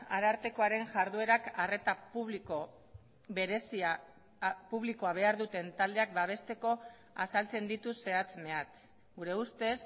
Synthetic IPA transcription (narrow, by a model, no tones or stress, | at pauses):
aɾaɾt̪e̞ko̞aɾe̞ŋʝaɾðue̞ɾakare̞t̪apuβliko | βe̞ɾesia | puβliko̞aβ̞e̞aɾðut̪e̞nt̪ald̪e̞ak̚baβ̞e̞st̪e̞ko̞ | a̰salt͡se̞nd̪it̪use̞at͡sme̞at͡s | ɡuɾe̞ust̪e̞s